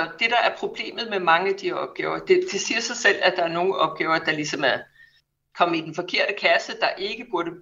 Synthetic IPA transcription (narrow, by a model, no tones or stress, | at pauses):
d̥e̝d̥ɑ̈æɐpʰʁo̝b̥le̝̰ːmð̞̩ˠmemɑ̈ŋəæd̥ihɒ̽b̥̚ɡ̥ɛːʊɐd̥e̝d̥esiːɐsɑ̈ɪsel̰æd̥ɑ̈æɐno̝ːn̩ɒ̽b̥̚ɡ̥ɛːʊɐd̥ɑ̈lisɒ̽mæ | kʰɒ̽m̰id̥enfɒ̽kʰe̝ɐ̰ɾ̥əkʰæsəd̥ɑ̈ʔe̝ɡ̥əb̥uɐɾə